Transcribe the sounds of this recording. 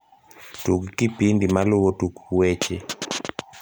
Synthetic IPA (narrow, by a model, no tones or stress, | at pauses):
tuɡkipindimalʊwotukwet͡ʃe